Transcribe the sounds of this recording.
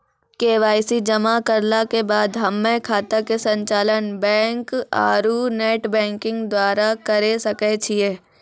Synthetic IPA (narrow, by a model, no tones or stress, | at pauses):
keːʋaːɪsid͡ʒɐmakɐɾlakebaːd̪ɦɐmːẽkʰaːt̪akesɐ̃ɲt͡ʃaːlənbɛ̃ːŋka̰ːɾuneːʈbɛ̃ːŋkɪ̃ŋɡd̪waːɾakɐɾesɐkɛt͡ʃʰieː